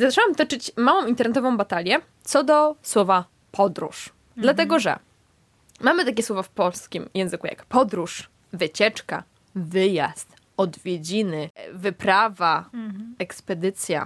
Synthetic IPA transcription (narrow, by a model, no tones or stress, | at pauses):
zat͡ʂɛwamt̪ɔt͡ʂɘt͡ɕmawɔ̃w̃int̪ɛɾnɛt̪ɔvɔ̃w̃bat̪alʲjɛ | t̪sɔd̪ɔswɔva | pʰɔd̪ɾṵʂ | d̪lat̪ɛɡɔʐɛ̰ | mamɘt̪akʲɛswɔvafpɔlskʲimjɛ̃w̃zɘkuja̰kpɔd̪ɾuʂ | vɘt͡ɕɛt͡ʂka̰ | vɘja̰st̪ | ɔd̪vʲjed͡ʑinɘvɘpɾavaɛkspɛd̪ɘt̪sʲja̰